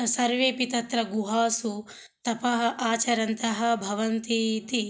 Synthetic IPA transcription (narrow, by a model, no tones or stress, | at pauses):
sɐɾʋeːpit̪ɐt̪ɾɐɡuɦaːsu | t̪ɐpɐɦɐ̆ʔaːt͡ʃɐɾɐnt̪ɐɦɐ̆bʱɐʋɐnt̪it̪i